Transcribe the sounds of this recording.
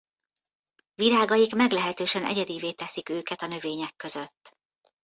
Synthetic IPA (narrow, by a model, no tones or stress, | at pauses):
viɾaːɡɒjikmɛɡlɛɦɛt̪øːʃɛnɛ̰ɟɛd̪iːveːt̪ɛsikøːkɛt̪ɒnø̞veːɲɛkːø̞zøt̪ː